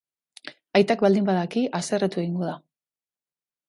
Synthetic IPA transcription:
ajt̪akβald̪imbaðakiʔase̞ret̪ue̞ɣ̞iŋɡoða

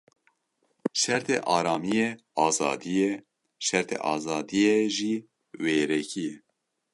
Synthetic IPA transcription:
ʃɛɾt̪ʰḛʔɑːɾɑːmijɛ | ɑːzɑ̰ːd̪ijɛ | ʃɛɾt̪ʰḛʔɑ̰ːzɑːd̪ijɛʒi | weːɾɛkʰijɛ

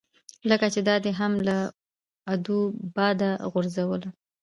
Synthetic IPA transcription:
ləkat͡ʃed̪ɑd̪eɦamla | ad̪ubɑd̪aɣʊɾzawəla

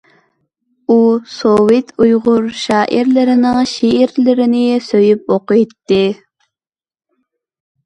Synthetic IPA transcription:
usowet̪ʰujʁʊɾʃɑːʔiɾlɪɾɪnɪŋʃeːɾlɪɾɪnɪsøjyp̚oqɨt̪ːɪ

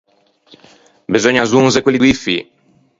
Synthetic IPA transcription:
bezɔɲazunzekwelːiwifḭ

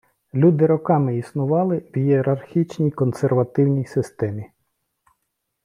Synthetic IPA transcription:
lʲud̪ɪɾɔkɑmɪisnʊʋɑlˠɪwjieɾɐrxʲit͡ʃnʲijkɔnserʋɐt̪ɪwnʲijsɪst̪ɛmʲi

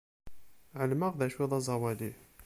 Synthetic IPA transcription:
ʕəlməʁðæʃwiðˤɑzˤɑwæli

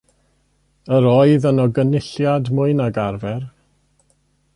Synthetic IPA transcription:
əɾɔɨðənɔɡənɪɬjadmʊɨnaɡarvɛr

